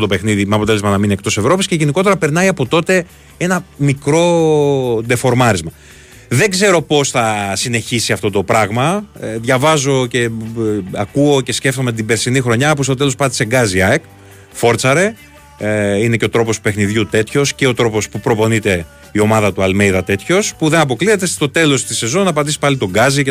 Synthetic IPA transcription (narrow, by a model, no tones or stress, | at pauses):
ot̪ope̞xniðimeɐpot̪e̞le̞zmɐnɐmine̞k̚t̪o̞se̞vɾo̞pisce̞ʝe̞niko̞t̪e̞ɾɐpe̞ɾnɐiɐpo̞t̪o̞t̪e̞ | e̞nɐmikɾo̞ | d̪e̞fo̞ɾmɐɾizmɐ | ðe̞ɡze̞ɾo̞po̞sθɐsine̞çisiɐft̪o̞t̪o̞pɾɐɣmɐðʝɐvɐzo̞ce̞ | ɐkuo̞ce̞sce̞ft̪o̞me̞t̪̬ibeɾsinixɾo̞ɲɐpost̪o̞t̪e̞lo̞spɐt̪i̥se̞ɡɐziɐek | fo̞ɾt͡sɐɾe̞ | ine̞ce̞o̞t̪ɾo̞post̪upe̞xniðʝut̪e̞t̪ço̞sceo̞t̪ɾo̞pospupɾo̞po̞nit̪e̞ | io̞mɐðɐt̪uɐlmejðɐt̪e̞t̪ço̞spuðe̞nɐpo̞kliθet̪e̞st̪o̞t̪e̞lo̞st̪ise̞zo̞nɐpɐd̪isi̥pɐlit̪o̞ɡɐzi